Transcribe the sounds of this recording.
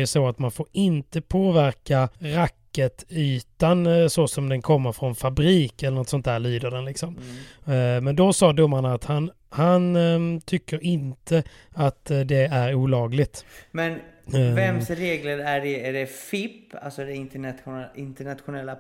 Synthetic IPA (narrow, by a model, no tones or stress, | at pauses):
jɵsoat̪manfoːɾɪnt̪əpʰoːvæɾkaɾakːət̪yːt̪ansɔsɔmd̪ɛnkʰɔmːəɾfɾɔnfabɾiːkɛlːəɳɔt̪sɔnt̪ʰæːɭlyːd̪əɖɛnlɪksɔm | mɛnd̪ɔsɑːd̪ɵmːaɳaːt̪han | hant̪ʰʏkːəɾɪnt̪ʰə | at̪d̪ɛæɾuːlɑːɡlɪɡt̪mɛnvɛmsɾeːɡləɾæɖɛæɖɛfɪpːa̰lsɔd̪ɛɪt̪ɪnt̪əɳat̪ɧʊnɛlːa